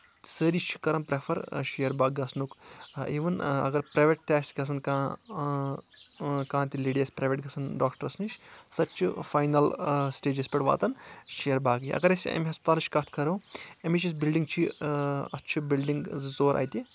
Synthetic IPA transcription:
səɾit͡ʃʰi̥kɐɾɐmpɾefʰɐɾʃijɐɾbaːɡɡɐsnukiːʋɐnɐ̰ɡɐɾpɾɐːjʋʲeʈ̚ʈɛːsɡɐs̬ɐnkãː | kãːt̪ileːɖijɐsʲpɾaːjʋʲeʈɡɐsɐnɖaːkʈɐɾɐsniʃsɐt̪t͡ʃʰifaːjnɐlsʈeːd͡ʒespʲɛʈʋa̰ːt̪ɐnʃijɐɾbaːɡjiʔɐ̰ɡɐɾɐsiɐ̰mʲiɦɐspɐt̪aːlt͡ʃʰkɐt̪ʰkʰɐɾɐwɐmit͡ʃis̬bilɖiŋɡt͡ʃʰiɐ̰tːt͡ʃʰibilɖiŋɡzzoːɾʔa̰ːjt̪ʲi

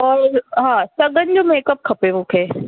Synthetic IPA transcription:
ɔːɾɦãːsɐɡənd͡ʒomeːkɐp̚kʰɐpẽʋoːkʰeː

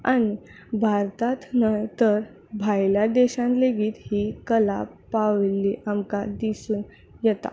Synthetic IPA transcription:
añi | bʱaɾt̪at̪najt̪əɾ | bʱajljad̪ɛɕãnleɡiːt̪hikəlapaʋlːiʔamkad̪isuːn | jɛt̪a̰

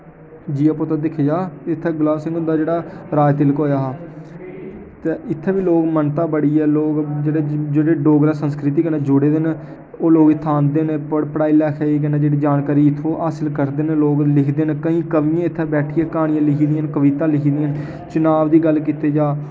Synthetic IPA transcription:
d͡ʒiːaːpot̪aːd̪ɪkʰeːd͡ʒaːɪt̪ʰːɛːɡlaːsɪ̃ŋɡʊnd̪aːd͡ʒeːɽaːɾaːjt̪ɪlkɦoːjaːɦaː | t̪eːɪt̪ʰːeːbiːloːɡmənt̪aːbəɽiːɛːloːɡd͡ʒeːɽeːd͡ʒeːɽeːɖoːɡɾaːsənskɾɪt̪iːkəneːd͡ʒʊɽeːd̪en | oːloːɡɪt̪ʰːãːnd̪eːnepəɽpəɽaːiːlɛːkʰeːiːk̬ɛnaːd͡ʒeːɽiːd͡ʒaːnkaːɾiːɪt̪ʰːoːʔaːsɪlkəɾd̪eːneloːɡlɪkʰd̪eːnːkəĩːkəʋiːãːɪt̪ʰːeːbɛːʈʰiːɛːkaːɽɪjãːlɪkʰiːd̪ɪãːnkəʋiːt̪ãːlɪkʰiːd̪iːan | t͡ʃʊnaːʋd̪iːɡəlkiːt̪eːd͡ʒaː

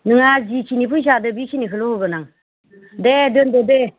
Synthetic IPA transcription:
nɨŋad͡ʒit͡ʃʰinipʰuʃ̬adəbit͡ʃʰinikəlooɡənaŋ | dedənd̪əde

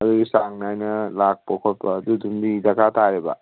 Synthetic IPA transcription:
ɐd̪uɡisaŋnajnɐlak̚pokʰot̚pɐːd̪udumdidɐkʰatʰaɾeba̰

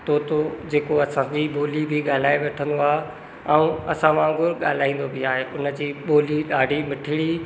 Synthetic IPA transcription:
t̪oːt̪od͡ʑeːkoɐsãd͡ʑiɓoːlibʱɪɠaːl̤aːeʋeːʈʰə̃nd̪oaː | ɛ̃ũɐsãʋãːɡʊɾɠa̰ːl̤aːĩːn̆d̪obʱɪaːɦeʔʊnə̆d͡ʑiːɓoːliɗaːɖʱimɪʈʰɪɽi

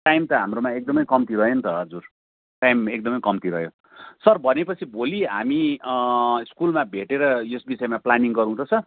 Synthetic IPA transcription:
ʈajmt̪ʌɦamromaek̚d̪ʌmʌjkʌmt̪iɾʌɦjont̪ʌʌd͡zur | ʈajmek̚d̪ʌmʌjkʌmt̪iɾʌɦjo | sʌrbʱʌnepʌt͡sʰiboliɦa̰mi | iskulmabʱeʈeɾʌjosbisʌemaplaniŋɡʌɾũt̪ʰʌt͡sʰʌ

